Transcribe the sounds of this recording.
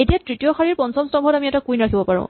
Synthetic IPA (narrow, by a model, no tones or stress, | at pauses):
etijatɹitijɔxaɹiɹpɔnsɔmstɔmbʱɔtamiɛtakujnɹakʰibɔpaɹʊ̰̃